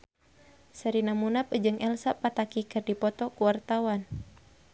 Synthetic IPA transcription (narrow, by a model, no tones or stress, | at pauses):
saɾinamunapd͡ʒɨŋʔɛlsapat̪akikɨrdipɔt̪ɔkuwart̪awan